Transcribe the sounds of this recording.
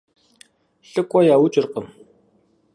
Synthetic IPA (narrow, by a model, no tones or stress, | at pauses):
ɬɨkʷʼɔjaːwut͡ʃʼɪrqəm